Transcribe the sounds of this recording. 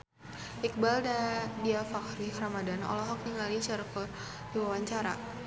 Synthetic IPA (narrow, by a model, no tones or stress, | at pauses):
ʔik̚baldadiafakɾiramadanɔ̰lɔɦɔk̚t̪iŋɡalit͡ʃaɾkɔr | diwawaɲt͡ʃaɾa̰